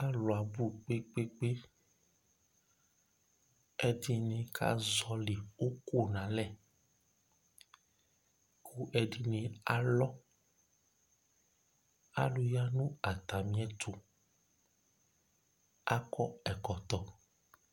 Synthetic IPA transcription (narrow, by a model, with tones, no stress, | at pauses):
a˦lɔ˨a˨bu˦k͡pe˦k͡pe˦k͡pe˦ | ɛ˨di˨nẽ˨kʰa̰˦zɔ˦li˨o˦ko˦nã˨lɛ˦˨ | kʰu˦ʔɛ˨di˨nĩ˨a˦lɔ˦ | a̰˦lu˦ja˦nũ˦a˨t̪a˨mĩ˦ɛ˦t̪ʰo˨ | a̰˦kɔ˦ɛ˨kɔ˨t̪ɔ˨